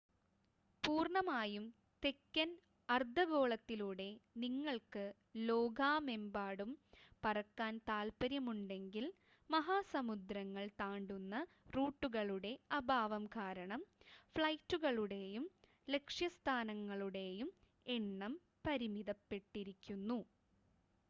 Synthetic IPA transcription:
puːrɳɐmaːjum | t̪e̞kːɐn | ɐrd̪ʱɐɣo̞ːɭɐt̪ːiluɽe̞niŋːɐɭkɨ | lo̞ːɡʱaːme̞mbaːɽumpɐrɐkːaːnt̪aːlpɐɾjɐmuɳɖe̞ŋɡil | mɐɦaːsɐmud̪ɾɐŋːɐɭt̪aːɳɖunːɐ | ruːʈːuɣɐɭuɽe̞ɐbʱaːʋɐmkaːɾɐɳɐmfɭɐjtːuɣɐɭuɽe̞jum | le̞kʂjɐst̪ʰaːnɐŋːɐɭuɽe̞jum | eɳːɐm | pɐɾimiðɐpːe̞ʈːiɾikʲːunːu

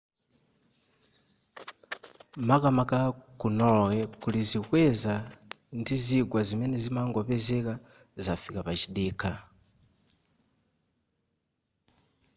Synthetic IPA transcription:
makamakakunowekulizikweza | ndiziɡwazimenezimaŋɡoβezeka | zafikapat͡ʃiɗika

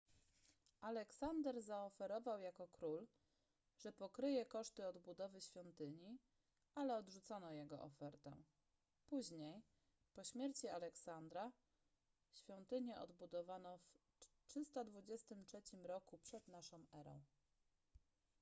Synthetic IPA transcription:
ʔalɛksand̪ɛɾzaɔfɛɾɔvawjakɔkɾul | ʐ̥ɛpɔkɾɘjɛkɔʂt̪ɘɔd̪bud̪ɔvɘɕfʲjɔnt̪ɘɲi | alɛɔd̪ʐut̪sɔnɔjɛɡɔ̰ʔɔfɛɾt̪ɛ̰ | puʑɲej | pɔɕmʲjɛɾt͡ɕialɛksand̪ɾa | ɕfʲjɔnt̪ɘɲɛʔɔ̰d̪bud̪ɔvanɔf | tʂɘst̪ad̪vud͡ʑɛst̪ɘmtʂɛt͡ɕimɾɔkupʂɛd̪naʂɔ̃w̃ɛɾɔ̰̃w̃

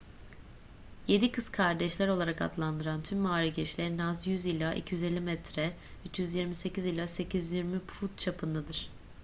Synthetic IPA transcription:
je̞d̪ikʰɯskʰaɾd̪ɛʃlʲæɾo̞lˠaɾaka̰t̪lˠand̪ɯɾant̪ʰymːaːɾiɟɛt͡ʃlʲeɾinazjyzilʲˠaʔḭcʰijyzelʲːimɛt̪ɾɛ | yt͡ʃjyzjiɾmise̞cizilʲˠase̞cʰizjyzjiɾmipfut̪̚t͡ʃʰapʰɯnd̪ad̪ɯɾ̥

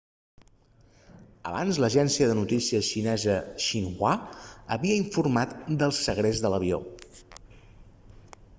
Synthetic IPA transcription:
ə̰βa̰nzləʒɛnsiəðənut̪isiəʃinɛzəʃiŋwaəβiəiɱfurmat̪d̪əlˠsəɣɾezðələβio̰

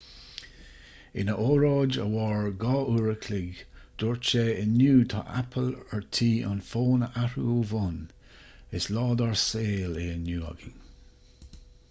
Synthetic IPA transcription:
ɪ̰nəʔoːɹɑːd͡ʒə̰wɑːɹɡɑːʔuɹəkʰlɪɡd̪̥ɔɹt͡ʃeːənjuːt̪ʰa̰ʔa̰pʰələɹtʰiːʔɔ̰nfoːnəʔaɾuuvɔn | ɪslɑːd̪aɹseːleənjuːa̰ɡɪŋ

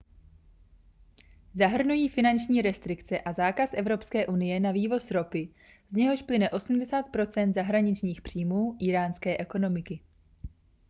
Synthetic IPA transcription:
zaɦr̩nujiːfɪnant͡ʃɲiːɾɛst̪ɾɪkt͡sɛʔazaːkasʔɛvɾo̞pskɛːʔunɪjɛnaviːvo̞sɾo̞pɪ | zɲɛɦo̞ʃplɪnɛʔo̞sm̩dɛsaːt̪̚pɾo̞t͡sɛnt̪zaɦɾaɲɪt͡ʃɲiːxpr̝̥iːmuːʔɪɾaːnskɛːʔɛko̞no̞mɪkɪ

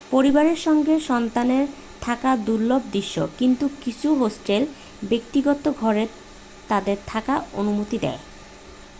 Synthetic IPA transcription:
poɾibaɾeɾʃɔŋɡeʃɔnt̪aneɾ | t̪ʰakad̪uɾlob̚d̪iʃːo̰kint̪ukit͡ɕʰuɦosʈel | bek̚t̪iɡɔt̪oɡʱɔɾe | t̪ad̪eɾt̪ʰakaonumut̪id̪ɛ̰e

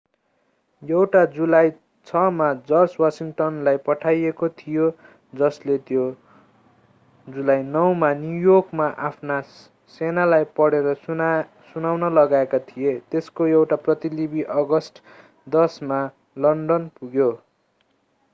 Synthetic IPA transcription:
jʌwʈad͡zulaj | t͡sʰʌmad͡zʌrswasiŋʈʌnlajpʌʈʰajekot̪ʰijo | d͡zʌslet̪jo | d͡zulajnʌwmanjujokmaʔapʰna | senalajpʌɽeɾʌ | sunawnʌlʌɡaekat̪ʰijet̪eskojʌwʈaprʌt̪ilibiʔʌɡʌsʈ | d̪ʌsma | lʌɳɖʌnpuɡjo

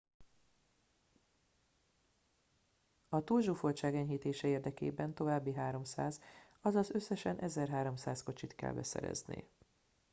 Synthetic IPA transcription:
ɒt̪uːlʒuːfolt͡ʃaːɡɛɲɦiːt̪eːʃɛeːrd̪ɛkḛːbɛnt̪o̞vaːbːiɦaːɾo̞msaːz | ɒzɒzø̞sːɛʃɛnʔɛzɛrɦaːɾo̞msaːsko̞t͡ʃit̪kɛ̰lbɛ̰sɛ̰ɾɛ̰znḛː

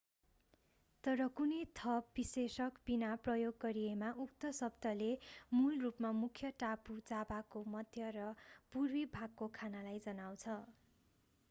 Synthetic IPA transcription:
t̪ʌɾʌkunʌjt̪ʰʌpbisesʌkb̥inaprʌjoɡːʌɾiemaʔukt̪ʌsʌbd̪ʌlemulrupmamukʰjʌʈapud͡zabakomʌd̪ʱjʌrʌpurwibʱaɡ̚kokʰanalajd͡zʌnaw̃t͡sʰʌ

